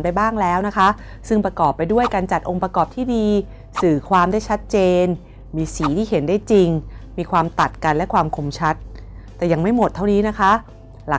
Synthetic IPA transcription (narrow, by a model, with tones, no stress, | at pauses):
npa˧jbaː˥˩ŋlɛː˦˥wna˦˥kʰa˦˥ | sɯ˥˩ŋpɾa˧kɔː˨˩pːa˧jdu˥˩əjka˧nt͡ɕa˨˩t̪̚ʔo˧ŋpɾa˧kɔː˨˩p̚t̪ʰiː˥˩diː˧ | sɯː˨˩kʰwaː˧mda˥˩jt͡ɕʰa˦˥t̪̚t͡ɕeː˧n | miː˧siː˩˦t̪ʰiː˥˩ɦe˩˦ndaː˥˩jt͡ɕi˧ŋmiː˧kʰwaː˧mt̪a˨˩t̪̚ka˧nlɛ˦˥kʰwaː˧mkʰo˧mt͡ɕʰa˦˥t̪̚ː | ɛː˨˩ja˧ŋma˥˩jmo˨˩t̪ʰːa˥˩wniː˦˥na˦˥kʰa˦˥ | la˨˩